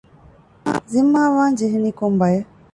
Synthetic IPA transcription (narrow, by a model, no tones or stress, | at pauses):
zimːaːʋaːɲd͡ʒiɦiniːkombɐje